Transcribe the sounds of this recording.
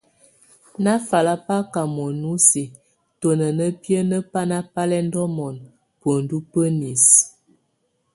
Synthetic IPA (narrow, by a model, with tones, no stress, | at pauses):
na˦fa˨la˦pa˦ka˨mɔ˨nu˦si˨ | to˨nə˨nə˦pjə˦nə˦pa˦na˦pa˦lɛ˦n˦dɔ˦mɔ˨n | pə˨n̩˨du˦pə˦ni˨s